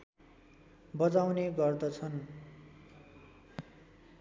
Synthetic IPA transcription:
bʌd͡zawneɡʌrd̪ʌt͡sʰʌn

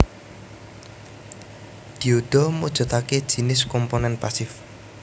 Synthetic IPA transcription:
d̪̥i̤oɖ̪̥ɔ̤mod̥ʒ̥ɔ̤t̪aked̥ʒ̥i̤nɪskɔmponɛnpasɪf

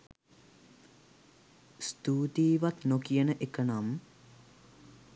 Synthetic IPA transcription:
st̪uːt̪iːʋat̪nokijənəʔekənam

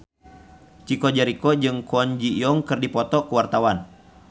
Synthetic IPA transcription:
t͡ʃikɔd͡ʒaɾikɔd͡ʒɨŋkɔɲd͡ʒijɔŋkɨrdipɔt̪ɔkəwart̪awan

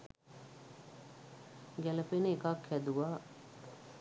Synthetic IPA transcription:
ɡæləpenəekakʰhæd̪uʋaː

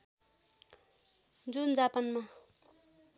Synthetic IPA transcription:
d͡zund͡zapʌnma

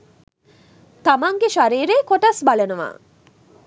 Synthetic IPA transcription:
t̪amaŋɡeʃaɾiːɾeːkoʈɐsbalənəʋa̰ː

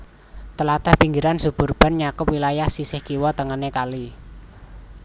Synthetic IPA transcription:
t̪əlat̪əhpiŋɡiɾansub̥ṳrb̥a̤nɲakʊpwilajahsisɪhkiwɔt̪əŋənekali

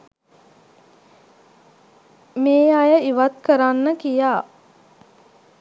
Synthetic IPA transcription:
meːajəiʋat̪kəɾanːəkijaː

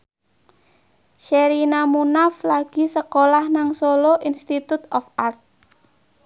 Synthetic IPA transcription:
ʃɛɾinamunaflaɡ̥i̤səkolahnaŋsoloʔinst̪it̪ut̪ɔfart̪̚

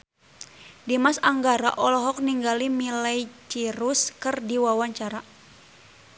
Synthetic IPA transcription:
dimasaŋɡaɾa̰ʔɔlɔɦɔk̚niŋɡalimilajt͡ʃiɾuskɨrdiwawaɲt͡ʃaɾa

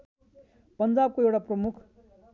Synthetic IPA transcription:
pʌnd͡zab̚koewʈaprʌmukʰ

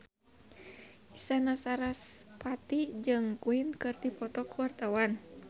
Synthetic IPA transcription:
isanasaɾaspat̪id͡ʒɨŋkuinkɨrdipɔt̪ɔkəwart̪awan

